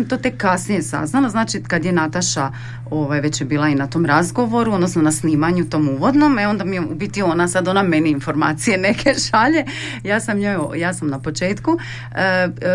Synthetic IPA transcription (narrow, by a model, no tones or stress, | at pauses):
mt̪ot̪ekːasnije̞sa̰znalaznaːt͡ʃikad̪je̞nat̪aʃa | oʋajʋe̞t͡ɕjebiːlˠainat̪o̞ːmɾazɡo̞ʋo̞ɾuod̪nosno̞nasniːmaɲut̪o̞ːmuːʋo̞d̪no̞meo̞nd̪amijeubit̪iuonasad̪o̞name̞niinfo̞ɾma̰ːt̪sije̞ne̞kʰe̞ʃaʎe̞ | jaːsamɲojjaːsamnapo̞t͡ʃe̞ːt̪ku